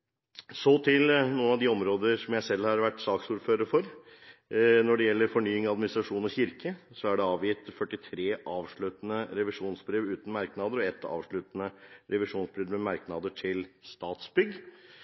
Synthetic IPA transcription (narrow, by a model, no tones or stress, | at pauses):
soːt̪ʰɪlnuːənɑʋd̪ɪɔmɾoːd̪əɾsɔmjæɪsɛlːhɑɾʋæʈːsɑːksuːɾføːɾəɾfɔɾ | nɔɖɛjɛlːəɾfɔɳyːɪŋɑd̪mɪnɪst̪ɾɑʂuːnɔçɪɾkəsɔæɖɛɑːʋjɪt̪fœʈːɪt̪ʰɾeːʔɑːʋʂɭʉt̪nəɾɛʋɪʂuːnsbɾeːʋʉːt̪n̩mɑɾknɑd̪əɾɔɛt̪ʰːɑ̰ːʋʂɭʉːt̪ənəɾɛʋɪʂuːnsbɾɛːd̪mɛmɑɾknɑd̪əʈʰɪlst̪ɑːt̪sbʏɡ